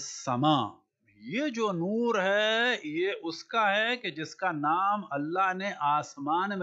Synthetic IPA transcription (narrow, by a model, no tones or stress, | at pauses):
sɐmaː | jed͡ʒoːnuːɾɦɛjeʔʊskaɦɛked͡ʒɪskanaːmɐlːaɦneʔaːsmaːnme